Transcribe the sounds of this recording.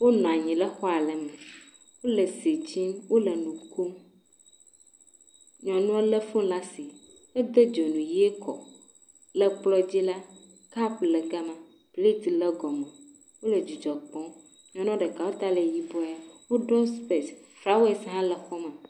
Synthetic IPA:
wo˦nɔ̃˨a˨ɲĩ˨lə˦xɔ˦a˨lɛ˨mɛ˨ | wo˦lə˨si˨t͡ɕi˦mwo˦lə˨nũ˨ku˦m | ɲɔ̃˨nũ˦e˦lə˦fũ˦la˦si˨ | e˦d̪e˦d͡ʒo˨nũ˨ji˦e˦kɔ̰˨ | lɛ˦k͡plɔ˦d͡ʑi˦la˦ | ka˦plɛ˨ɡa˦mã˨ | ple˦t̪i˨lɛ˦ɡɔ˨mẽ˨ | wo˦lə˨d͡ʒu˨d͡ʒɔ˨k͡pɔ̃˦ | ɲɔ̃˨nɔ̃˦ɖɛ˨ka˨wo˦t̪a˦le˨ji˦bɔ˦a˦wo˦ɖɔ˦spe˨sfɾa˦we˦˨sɦã˦lɛ˨xɔ˦mã˨

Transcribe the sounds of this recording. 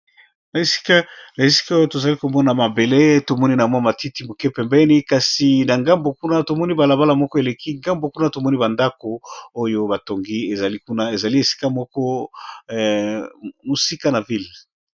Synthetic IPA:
na˨e˨si̥˦ka˦na˨e˨si̥˦ka˦o˦jo˦to˨za˨li˦ko˨mɔ˦na˨ma˨be˨le˦to˨mɔ˦ni˦na˨mwa˦ma˨ti˦ti˦mo˨kɛ˦pɛ˨mbɛ˦ni˦ka˨si˨na˨ŋɡa˦mbo˨ku˦na˦to˨mɔ˦ni˦ba˨la˨ba˦la˨mɔ˦kɔ˦e˨le˨ki˦ŋɡa˦mbo˨ku˦na˦to˨mɔ˦ni˦ba˨nda˦ko˨o˦jo˦ba˨to˨ŋɡi˦e˨za˨li˦ku˦na˦e˨za˨li˦e˨si̥˦ka˦mɔ˦kɔ˦ | mo˨si˦ka˦na˨vi˦l

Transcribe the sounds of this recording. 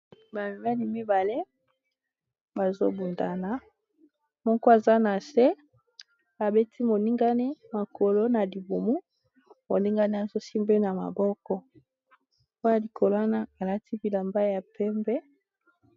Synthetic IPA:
ba˨mi˨ma˦li˨mi˦ba˨le˦ | ba˨zo̰˦bu˨nda˨na˨ | mɔ˦kɔ˦a˨za˦na˨se˦ | a˨be˦tʰi˦mo˨ni˦ŋɡa˦ni˦ma˨ko˨lo˦na˨li˨bu˨mu˦ | mo˨ni˦ŋɡa˦ni˦a˨zo˦si˦mbe˦na˨ma̰˨bɔ˦kɔ˦ | o˦ja˨li˨ko˨lo˨˦a˦na˦a˨la˦ti˦bi˨la˨mba˦ja˨pɛ˦mbɛ˦

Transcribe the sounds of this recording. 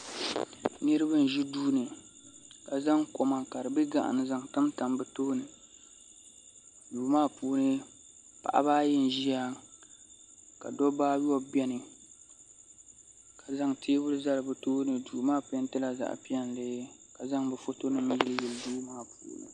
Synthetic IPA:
nɨ˦ɾɨ˦bɨ˦n˨ʒi˦duː˦nɨ˨ | ka˨za˦ŋko˨ma˨ka˨dɨ˨bɨ˦ɡa̰˨ʔa̰˨nɨ˨za˨ŋtɨ˦mta˨mbɨ˨toː˦nɨ˨ | duː˨maː˦puː˦nɨ˦ | pa̰˨ʔa̰˦baː˦jɛ˦n̩˨ʒi˦a˦ | ka̰˨dɔ˦baː˦wɔ˦bɛ˦nɨ˨ | ka˨za˦ŋtʰeː˦bʊ˦lɨ˦za˦lɨ˨bɨ˨toː˦nɨ˨duː˨maː˦pɛ˦n˦tɨ˦la˨za̰˨ʔpi˦ɛ˦n˨lɨ˦ka˨za˦ŋbɛ˨fo˦to˦nɨ˦mi˦jɛ˦lɨ˦jɛ˨lduː˦maː˦˨pʰṵː˨˦nɨ̰˨

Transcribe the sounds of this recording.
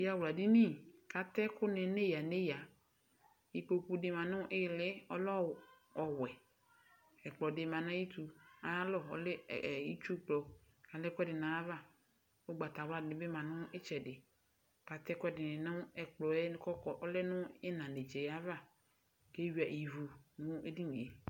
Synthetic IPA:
ja˦wla˨di˦ni˦˨ka˨tɛ˦kʊ˦nɛ˨˦ne˦ja˨ne˦ja˨ | i˨ko˨ku˦dɪ˨˦mã˨nʊ̃˦ʔɪ˦˨lɪ˦ɔ˦lɔ˦ | ɔ˨wɛ˨ | ɛ˨k͡plɔ˨dɪ˨ma˨nã˦i˦tu˨a˨ja˦lɔ˦˨ɔ̰˨lɛ˦˨i˦t͡ʃu˦k͡plɔ˨ | ka˨lɛ˦kʷɛ˦dɪ˨nã˨a˦va˦˨ | ʊ˦ɡ͡ba˨ta˨wa˦˨nɪ˨bɪ˦mã˨nʊ̃˦ɪ˦t͡ʃɛ˨dɪ˨ | ka˨tɛ˦kʷɛ˦dɪ˨nɪ˨nʊ̃˦ɛ˨k͡plɔ˨ɛ˦kɔ˦kɔ˨ʔɔ˦lɛ˦nʊ̃˦ɪ˦nã˨ne˨d͡ʒe˨ja˦va˦˨ | ke˦wi˨a˨ʔi˨vu˨nʊ̃˦e˦di˦ni˨e˨

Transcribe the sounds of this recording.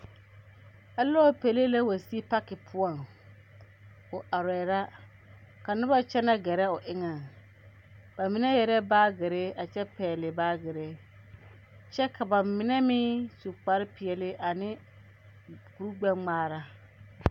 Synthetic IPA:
a˨lɔː˦pe˨leː˦la˦wa˨si˦pa˦kɪ˨pʰʊ˦ɔ˨ŋ | ʊ˨ʔa˨ɾɛ˨ɾa˦ | ka˨nʊ˦ba˦t͡ʃɛ˦na˦ɡɛ˨ɾɛ˦ʊ˨ʔɪ˦ŋa˨ | ba˨mɪ˦nɛ˦jɛ˨ɾɛ˦baː˦ɡɪ˨ɾe˦a˨t͡ʃɛ˦pɛː˨lɪ˨baː˦ɡɪ˨ɾe˦ | t͡ʃɛ˦kʰa˨ba˨mɪ˨nɛ˦mɪː˦su˨k͡pa˨ɾɪ˦pɪ˨ɛ˨lɪ˦ʔa˨nɪ˦ | ɡu˨ɾɡ͡bɛ˦ŋ͡maː˦ɾa˦

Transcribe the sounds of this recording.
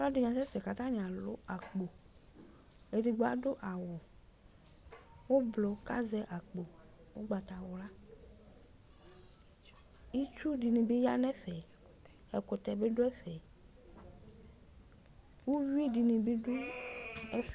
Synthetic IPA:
la˦dʊ˨ɲã˨sɛ˦sɛ˨ka˨t̪a˦nĩ˨a˨lʊ̰˦a˨k͡po˨ | e˨ɖi˨ɡ͡ba˦ɖʊ˦ʔa˨wɔ˨ | wo˦blo˨ka˦zɛ˦ʔa˨k͡po˨ | wo˦ɡ͡ba˨t̪a˨wʊ˨la˦ | i˦t͡ʃu˦ɖi˨nĩ˨be˦ja̰˦nɛ̃˦ɸɛ˨ | ɛ˨kʊ˨t̪ɛ˨be˦ɖʊ˦ɛ˦ɸɛ˨ | wo˦vi˦di˨nĩ˨be˦ɖʊ˦ | ɛ˦

